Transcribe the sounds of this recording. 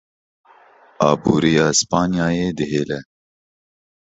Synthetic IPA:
ɑ̰ːbuːɾijaːspaːnijaːjeːd̪ɪɦeːlɛ

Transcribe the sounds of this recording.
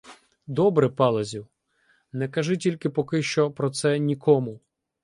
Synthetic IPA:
d̪ɔbɾɪpɑlˠɐzʲu | nɛkɐʒɪtʲilʲkɪpɔkɪʃt͡ʃɔpɾɔt̪sɛnʲikʰɔmʊ

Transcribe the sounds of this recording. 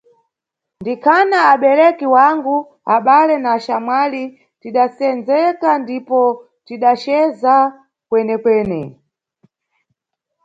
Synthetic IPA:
ndikʰanaːɓɛɾɛkiwaŋɡu | aɓalɛnaːʃamwali | tiɗasɛnd͡zɛkandipɔ | tiɗat͡ʃɛza | kwɛnɛkwɛːnɛ

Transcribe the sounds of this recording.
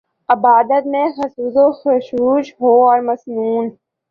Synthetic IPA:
ɪbaːd̪ət̪mẽxɐsuːzoxʊʃuːʃɦoːɔːɾməsnuːn

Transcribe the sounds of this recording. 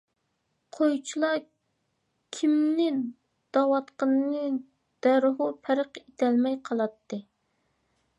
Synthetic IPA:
qʰojt͡ʃʰilˠɑ | kʲʰimnɪ | d̪̥ɑwɑt̪qɑnnɨ | d̪̥æɾɦupʰæɾəqet̪ʰɛlmɛjqʰɑlˠɑt̪ʰːɨ

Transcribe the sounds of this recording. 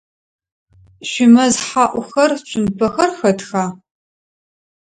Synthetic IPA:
ɕʷɪmɐzħaːʔʷʊxɐrt͡ʃʷʼʊmpʰɐxɐrxɐtʰxaː

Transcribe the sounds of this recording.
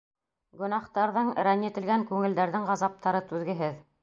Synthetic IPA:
ɡɵ̆nɑχt̪ɑɾðɤɴɾænɘ̆t̪ɘ̆lɡæŋkʉŋɘ̆ld̪æɾðɘŋʁɑzɑp̚t̪ʰɑɾɤt̪ʉðɡɘ̆ɦɘð

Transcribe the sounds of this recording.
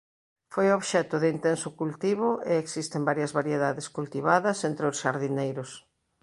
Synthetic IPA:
fojoβʃɛt̪ʊðɪint̪ɛnsʊkult̪iβʊʔeeksist̪embaɾjɐzβaɾjeðaðɪskult̪iβaðɐsent̪ɾeosʃaɾðinejɾʊs

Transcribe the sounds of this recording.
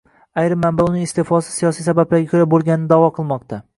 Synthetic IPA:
ajɾɪmːambaʊnɪŋɪst̪efɒsɪ̥sijɒsijsabablaɾɡʲakʰɵɾabolˠɡʲanɪnɪd̪ɒvɒqʰɨlˠmɒqt̪ʰa

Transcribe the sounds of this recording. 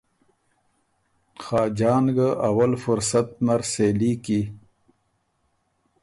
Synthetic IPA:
xaːd͡ʒɑːnɡəʔawalfʊɾsat̪̚naɾseliːki

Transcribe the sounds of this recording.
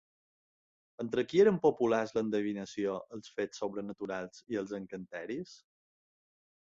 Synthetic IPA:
ənt̪ɾəkieɾəmpopulazlənd̪əβinəsioəlˠsfessːoβɾənət̪uɾalˠziəlˠzəŋkənt̪ɛɾis

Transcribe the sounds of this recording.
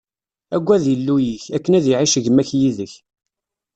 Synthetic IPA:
æɡʷːæðjəlːujiçækːənæðiʕiʃəʝəmæçjiðəç

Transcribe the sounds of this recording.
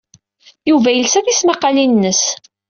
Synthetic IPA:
juvæjəlsæθismɑqːɑlinnːəs

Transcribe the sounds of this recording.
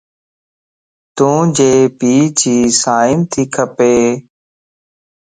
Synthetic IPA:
t̪ũːd͡ʒeːpiːt͡ʃʰiːsaːɪmt̪ʰiːkʰəpeː

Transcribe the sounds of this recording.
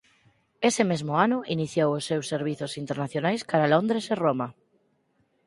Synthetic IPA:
esemezmoanʊiniθjowosːewsːeɾβ̞iθosint̪eɾnaθjonajskaɾalond̪ɾeseroma

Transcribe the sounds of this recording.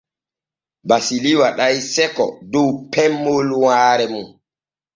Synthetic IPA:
basiliwaɗajsɛkɔ̰dowpʰɛmːolwaːɾɛmun

